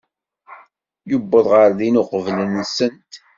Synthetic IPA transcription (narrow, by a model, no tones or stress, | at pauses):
jubːəðˤʁəɾðinʊqəvlənːsənt̪